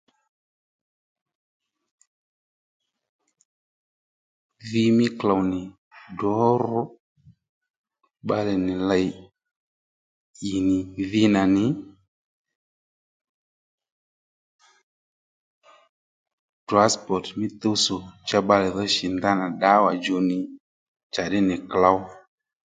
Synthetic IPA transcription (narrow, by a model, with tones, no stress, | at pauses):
ði˦mɪ˦kla˨wnɪ˨ | dɔ˦ɾɔ˦ | ɓa˦lɛ˨nɪ˨la˨j | ji˨nɪ˨ði˦na˨nɪ˨ | d̥ɾa˦spɔ˨tmɪ˦t̪o˦so˨t͡ʃa˦ɓa˦lɛ˨ðɔ˦ʃi˨nda˦na˨ɗa˦wa˨d͡ʒo˨nɪ˨ | t͡ʃa˨ɗɪ˦nɪ˨kla˦w